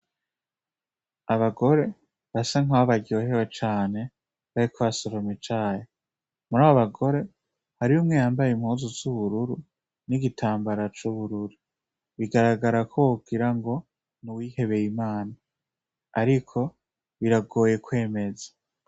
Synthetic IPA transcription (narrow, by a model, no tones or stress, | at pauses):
aβaɡo̞ɾe̞ | βasaŋaβaɟoɦewet͡ʃaːne̞ | βaɾikʰoβasoɾomit͡ʃaːje | muɾaːβo̞βaɡo̞ɾe̞ | haɾiumŋejaːmbajimhuːzuzuβuɾuɾu | niɡitʰaːmbaɾat͡ʃuβuɾuɾu | βiɡaɾaɡaɾakʰouɡ̥iɾaŋɡo̞ | niwiːhe̞βe̞jimaːnaː | ɾikʰo̞ | βiɾaɡo̞ːje̞kwe̞ːme̞zḁ